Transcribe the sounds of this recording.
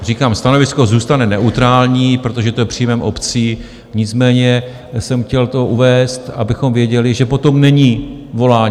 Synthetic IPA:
r̝iːkaːmst̪ano̞vɪsko̞zuːst̪anɛnɛʔut̪ɾaːlɲiːpɾo̞t̪o̞ʒɛt̪ojɛpr̥iːmɛmʔo̞pt͡siː | ɲɪt͡smɛːɲɛ | sɛmxcɛlt̪o̞ʔuvɛːst̪ʔabɪxo̞mvjɛɟɛlɪʒɛpo̞t̪o̞mnɛɲiːvo̞laːɲː

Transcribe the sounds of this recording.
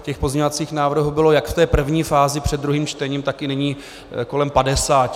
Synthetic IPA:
cɛxpozɲeɲovat͡siːxnaːvr̩ɦubɪlo̞jakft̪ɛːpr̩vɲiːfaːzɪpr̝̥ɛd̪dɾuɦiːmt͡ʃt̪ɛɲiːmt̪akɪnɛɲiː | ko̞lɛmpadɛsaː

